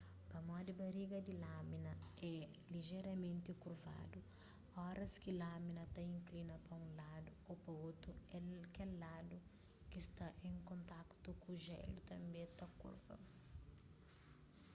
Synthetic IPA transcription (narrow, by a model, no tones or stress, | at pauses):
pɐmɔd̪ɪbɐɾiɡɐd̪ilaminɐɛ | liʒɛɾɐmẽnt̪ɪkuɾva̰d̪u | ɔɾɐskɪlaminɐt̪aĩŋklinɐpɐũlad̪uopɐot̪ɾuɛkɛlːad̪u | kist̪aʔẽŋkõnt̪akt̪ukuʒɛ̰lut̪ɐ̃mbẽt̪ɐkṵɾvɐ̰